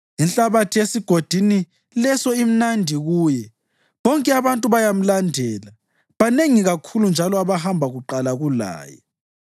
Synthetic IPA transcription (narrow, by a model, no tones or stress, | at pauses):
inɬʼaβatʰiesiɡ̥ʱod̥ʱini | lɛsɔim̩nandʱiɣuːjɛ | βɔŋkʼɛaβantʼuβajam̩landʱɛːla | βaneŋiɣakʰulund͡ʒʱalɔaβahambʱaɣuǃalaɣula̰ːjɛ̰